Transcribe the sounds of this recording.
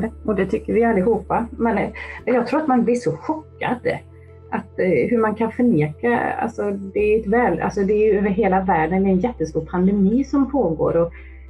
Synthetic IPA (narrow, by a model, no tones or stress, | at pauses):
d̪əʔɔd̪ɛt̪ʰʏkːəvɪalːɪhuːpːamɛnmɛnjɑɡ̚t̪ʰɾuːɾat̪manblɪʂɔɧɔkːa̰d̪ | ʔat̪hɵɾmankʰanfœɳeːka̰a̰lsɔd̪ɛːɾɛt̪vɛːlʔa̰lsɔd̪ɛːɾjɵɦeːlavæːɖənɛɾɛnjɛt̪ːəst̪uːɾpʰand̪ɛmiːsɔmpʰoːɡo̰ːɾɔ